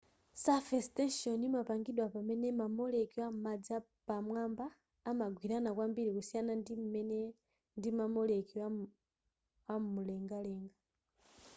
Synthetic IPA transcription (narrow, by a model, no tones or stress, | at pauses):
safɛstɛnʃiɔnimapaŋɡiɗwapamɛnɛmamɔlɛkiwam̩mad͡za | pamwambaː | maɡʱwiɾanakwambiɾikusijanandim̩mɛnɛ | ndimamɔlɛkiwa | wammulɛŋɡalɛːŋɡa